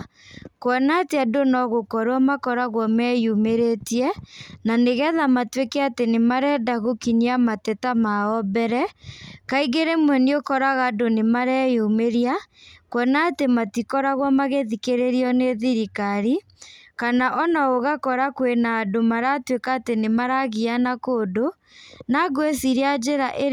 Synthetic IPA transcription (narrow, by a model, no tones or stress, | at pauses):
kwɔnateadonɔɣokɔɾwamakɔɾaɣwɔmɛjumeɾetiɛnaneɣɛðamatwekɛatenemaɾɛdaɣokiɲiamatɛtamaɔbɛɾɛkaiɣeɾemwɛniokɔɾaɣadonemaɾɛjumeɾia | kwɛnaːtematikɔɾaɣwamaɣeðikeɾeɾiɔneðiɾikaɾi | kanaʔɔnaoɣakɔɾakwenaːdomaɾatwekaːtenemaɾaɣianakoːdo | naɡwesiɾead͡ʒeɾaʔe